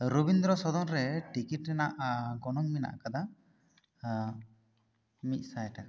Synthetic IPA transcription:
ɾubind̪ɾɔsɔd̪ɔnɾɛʈikiʈɾɛnaʔɡɔnɔŋmina̰ʔkad̪a | mit̪̚ˀsajʈaka

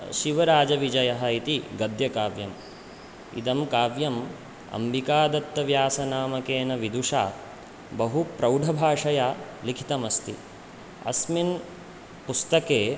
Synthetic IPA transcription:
ʃiʋɐɾaːd͡ʒɐʋid͡ʒɐjɐɦɐit̪iɡɐd̪jɐkaːʋjɐm | ḭd̪ɐmkaːʋjɐm | ɐ̰mbikaːd̪ɐt̪ːɐʋjaːsɐnaːmɐkeːnɐʋid̪uʂa̰ː | bɐɦupɾɐwɖʱɐbʱaːʂɐjaːlikʰi̥t̪ɐmɐst̪i | ɐ̰smin | pust̪ɐkeː

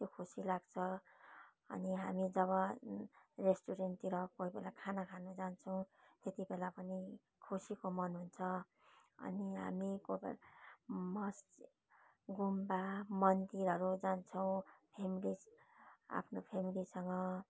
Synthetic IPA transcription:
t̪jokʰosilaɡt͡sʰʌ | ʌ̰niɦamid͡zʌβʌ | resʈuɾenʈ̪iɾʌkoɦibelakʰanakʰanud͡zant͡sʰʌw̃t̪et̪ibelapʌni | kʰosikomʌnɦunt͡sʰʌ | ʌ̰niɦa̰mikob̰ | mʌs | ɡumbamʌnd̪iɾʌɾud͡zant͡sʰʌw̃pʰemili | a̰pʰnopʰemilisʌŋɡʌ

